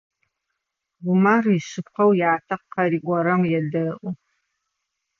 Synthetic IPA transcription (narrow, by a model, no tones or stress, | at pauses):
ɡʷʊmaːrjɪɕɨp̚qɐwjaːtʰɐqqɐɾiːɡʷɔɾɐmjɛdɐʔʷʊ